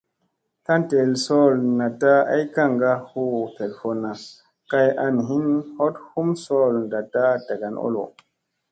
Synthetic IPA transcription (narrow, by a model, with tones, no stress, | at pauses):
ta˦nte˨lso˦lna˨ta˦a̰˦jka˦˨ŋɡa˧hu˦te˨lfo˨na˨ | ka˧ja˧nɦi˦nho˦thu˦mso˦˨lnda˨ta˦da˨ɡa˨no̰˦lo̰˨